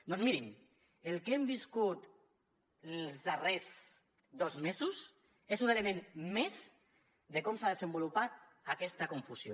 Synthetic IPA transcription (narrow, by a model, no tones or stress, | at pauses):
d̪ɔnzmiɾim | elˠkembiskut̪ | zðərez | d̪ɔzmezus | ezunelemẽnmez | ðekɔmsaðezembulupat̪̚ | akɛst̪akuɱfusjo